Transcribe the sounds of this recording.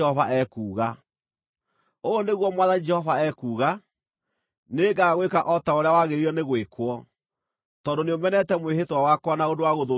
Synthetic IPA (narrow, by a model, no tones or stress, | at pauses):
ɔvaʔɛkuːɣa | oːneɣwɔmwaðad͡ʒɛhɔvaɛkuːɣa | neːɡaːɣwekaʔɔtaoɾeawaɣeɾiɔneɣwekwɔ | tɔːndoneomɛnɛtɛmwehetwawakwɔnaodowaɣoðo